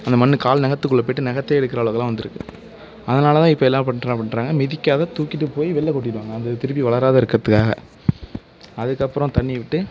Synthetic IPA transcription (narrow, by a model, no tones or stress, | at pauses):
ɐnd̪ɐmɐnːɯkaːlnɛɣɐt̪ːɯkːɯɭːɐp̬oːjʈːɯnɛɣɐt̪ːeːɛɽɯkːɪɾɐʋɐɭɐːɣɐlãːʋɐnd̪ɯɾɯkːɯ̰ | ɐðɐnaːlɐt̪ãːɪpːoːɛlːaːpɐɳɾãpɐɳɾaːŋɡɐmɪðɪkːaːðɐt̪uːkːɪʈːɯpoːjiʋɛɭːɐkɔʈːɪkɽɯʋaːŋɡɐːnd̪ɐt̪ɪɾɯp̬ːiʋɐɭɐɾaːðɐɪɾɯkːɪɾɐðɯkːaːɣɐ̰ | ɐðɯkːɐpːɯɾɔ̃t̪ɐɳːɪʋɪʈːɯ